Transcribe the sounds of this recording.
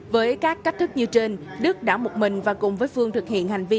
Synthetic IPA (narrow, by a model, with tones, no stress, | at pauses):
vəː˨˦jkaː˦˥k̚kːa˦˥k̟̚t̪ʰɨ˦˥k̚ɲɨ˧t͡ɕe˧nɗɨ˦˥ək̚ɗaː˧˩mo˨˩t̚mï˨˩ŋ̟vaː˨˩kʊ˨˩ŋ͡mvəː˨˦jfɨ˧əŋt̪ʰɨ˨˩k̚hḭ˧˨ənha˨˩ŋ̟vi˧